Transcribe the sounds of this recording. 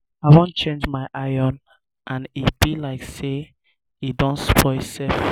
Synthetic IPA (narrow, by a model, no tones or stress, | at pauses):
aɪwɔ̃nt͡ʃẽnd͡ʒmaɪʔajɔ̃n | ʔãnib̥ilaɪkse | idɔ̃nspʰɔsɛf